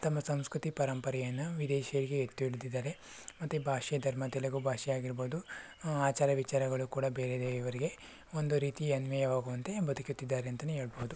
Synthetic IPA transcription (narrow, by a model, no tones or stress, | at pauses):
t̪ɐmːɐsɐmskɾut̪ipɐɾɐmpɐɾɛjɐnːɐʋid̪eːʃjɐɾiɡeet̪ːuiɭd̪id̪ːaːɾe̞ | mɐt̪ːubʱaːʂɐjɐd̪ʱɐɾmɐt̪ilɐɡubʱaːʂɛjaːɡiɾboːud̪u | aːt͡ʃaːɾɐʋit͡ʃaːɾɐɡɐɭukuːɽɐbeːɾed̪eiʋɐɾiɡe̞ | o̞nd̪uɾiːt̪iɐnʋɐjɐʋaːɡuʋɐnt̪e̞bɐd̪ukjut̪ːid̪ːaːɾeɐnt̪ɐneɦe̞ːɭɐboɦud̪u